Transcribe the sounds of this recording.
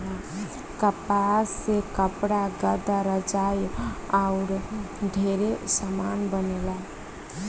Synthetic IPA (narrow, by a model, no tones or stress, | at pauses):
ɦ | kəpasekəpɽaɡəd̪aɾəd͡ʒajaʊɾ | ɖʱeɾesəmanbənela